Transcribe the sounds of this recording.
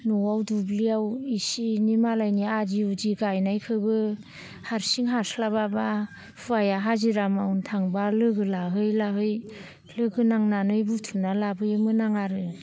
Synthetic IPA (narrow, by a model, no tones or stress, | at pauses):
nɔwawdubliawisinimalajniad͡ʒiud͡ʒiɡajnajkʰɯbɯ | haɾsiŋɦaslababa | pʰɯajaɦaziɾamawntʰaŋbalɯɡɯlaɦɯjlaɦɯj | lɯɡɯnaŋnanɯjbutʰunalabɯjɯmɯnaŋaɾɯ